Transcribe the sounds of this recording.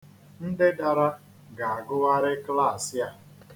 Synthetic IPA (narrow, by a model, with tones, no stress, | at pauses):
n̩˦dɪ˦da˨ɾa˦ | ɡa˨a˨ɡʊ˦ɣa˦ɾɪ˦kla˦˨sja˦